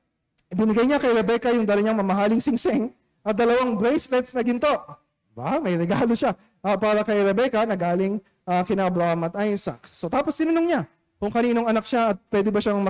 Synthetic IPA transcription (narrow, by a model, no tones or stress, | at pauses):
bɪnɪɡajɲakɐjɾɛbɛkɐjʊŋd̪ɐlɐɲaŋmɐmɐɦaːlɪŋsɪŋsɪŋ | ʔɐt̪̚d̪ɐlɐwaŋbɾɛjsɾɛt̪snɐɡɪnt̪o̞ʔ | ba̰mɐjɾɛɡaːlo̞ʃa | ʔɐpaːɾɐkɐjɾɛbɛkɐnɐɡaːlɪŋ | ʔɐkɪnabɾamɐt̪ʔajnsɐ̰kso̞t̪aːpo̞st̪ɪnɐnoŋɲa | kʊŋkɐniːno̞ŋɐnak̚ʃaɐt̪̚pwɛd̪ɪbɐʃaŋmɐ